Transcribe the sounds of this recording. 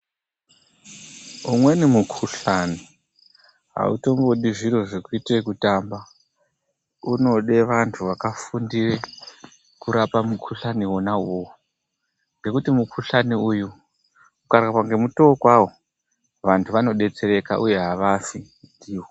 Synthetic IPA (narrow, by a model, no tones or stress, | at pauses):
umwe̞nimukʰuɬani | ɦa̰ṵto̞mboɗiʐiɾo̞ʐekuitaekutamba | uno̞ɗe̞ʋantʰuʋakafundire | kuɾapamukʰuɬaniwo̞nawowo | ŋɡe̞kutimukʰuɬaniuju | ukarkapwaŋɡe̞mutoːkwawo̞ | ʋantʰuʋano̞ɗe̞t͡se̞ɾe̞ka̰ʔuje̞ɦaʋafi | diːwo